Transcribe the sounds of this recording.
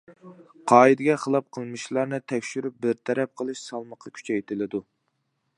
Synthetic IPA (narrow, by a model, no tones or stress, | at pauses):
qʰɑːid̪ɪɡʲɛχəlˠɑp̚qʰəlˠmɨʃlˠɑɾnɨt̪ʰɛkʲʃyɾyp̚bɪɾt̪ʰɛɾɛp̚qʰəlˠɨʃsɑlˠməqʰːɑkʲʰy̥t͡ʃʰɛjt̪ʰɪlɪd̪u